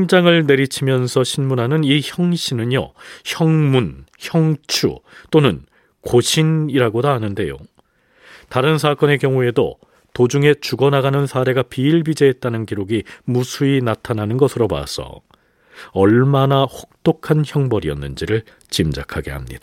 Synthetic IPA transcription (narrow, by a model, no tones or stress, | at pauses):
imd͡ʑaŋɯɭne̞ɾit͡ɕʰimjʌnsʰʌɕʰinmunɦanɯniçjʌŋɕʰinɯɲjʌ̰çjʌŋmunçjʌŋt͡ɕʰṵt͈onɯn | koɕʰiniɾaɡodaɦanɯnde̞jo̰ | taɾɯnsʰak͈ʌne̞kjʌŋue̞do̰ | tod͡ʑuŋe̞t͡ɕuɡʌnaɡanɯnsʰaɾe̞ɡapiːɭbid͡ʑeɦːt̚t͈anɯnkiɾoɡimusʰuinatʰananɯnɡʌsʰɯɾoba̰sʰʌ̰ | ʌɭmanahok̚t͈okʰançjʌŋbʌɾiʌ̰nːɯnd͡ʑiɾɯɭ | t͡ɕimd͡ʑa̰kʰaɡe̞̰ɦamɲḭd̥a